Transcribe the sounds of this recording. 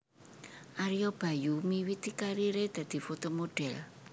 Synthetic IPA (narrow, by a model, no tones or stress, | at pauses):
ʔaɾiɔb̥a̤jumiwit̪ikaɾiɾed̪̥a̤d̪̥i̤fot̪omoɖ̥ɛl